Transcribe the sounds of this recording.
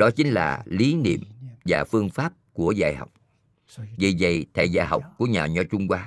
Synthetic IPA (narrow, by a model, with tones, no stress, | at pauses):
ɗɔ˨˦t͡ɕï˨˦ŋ̟la̰ː˨˩li˨˦nḭ˧˨əmvaː˨˩fɨ˧əŋfaː˦˥p̚ku˧˩əzaː˧˩jha̰˨˩wk͡p̚ | vi˨˩zə̰˧˨jt̪ʰa̰˧˨jzaː˧˩jɦa̰˨˩wk͡p̚ku˧˩əɲaː˨˩ɲɔ˧t͡ɕʊ˧ŋ͡mkwaː˧